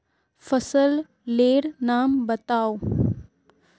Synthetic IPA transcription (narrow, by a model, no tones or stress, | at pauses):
fʰəsəlː | eːɾnaːmbət̪aːo